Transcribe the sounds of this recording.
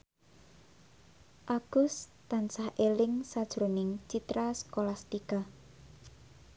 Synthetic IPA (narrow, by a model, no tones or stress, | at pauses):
ʔaɡ̥ʊst̪ansahʔelɪŋsad̥ʒ̥ɾonɪŋt͡ʃit̪ɾaskolast̪ika